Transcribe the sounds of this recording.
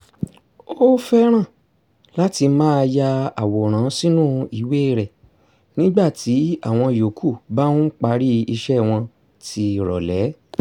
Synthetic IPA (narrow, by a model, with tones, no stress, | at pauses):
o˦fɛ˦ɾ̃ã˦˨ | la˦ti˧mãː˦˧ja˧a˨wo˨ɾ̃ã˨˦si˦nũ˦i˨we˦˨ɾɛ˨ | nĩ˦ɡ͡ba˦˨ti˨˦a˦˨w̃ɔ̃˧˨jo˨kʰu˦˨ba˦ũ˦k͡pa˧ɾi˦i˧ʃɛ˦w̃ɔ̃˧ | tʰi˧ɾɔ̰˨lɛ˨˦